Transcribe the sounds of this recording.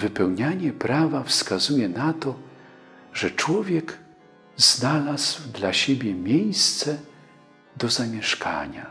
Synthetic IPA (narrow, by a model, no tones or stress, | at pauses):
vɘpɛwɲaɲɛpɾavafskazujɛnat̪ɔ | ʐɛt͡ʂwɔvʲjɛɡ | z̥nalazwd̪laɕebʲjɛmʲjejst̪sɛ | d̪ɔzamʲjɛʂkʰa̰ɲa̰